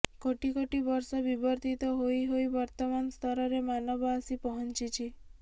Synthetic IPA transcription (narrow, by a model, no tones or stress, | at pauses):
koʈikoʈibɔɾsɔbibɔɾt̪ʰit̪ɔɦojiɦojbɔɾt̪ɔmanst̪ʰɔɾɔɾemanɔbɔasipɔɦɔnt͡ʃit͡ʃʰi